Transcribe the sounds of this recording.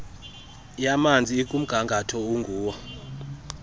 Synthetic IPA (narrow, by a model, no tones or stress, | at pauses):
jamand͡zʱiekʼum̩ɡ̥ʱaŋɡʱatʰɔuŋɡʱuːwɔ